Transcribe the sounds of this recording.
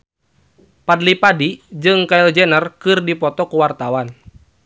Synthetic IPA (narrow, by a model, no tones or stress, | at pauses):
padlipadid͡ʒɨŋkaild͡ʒɛnərkɨrdipɔt̪ɔkuwart̪awan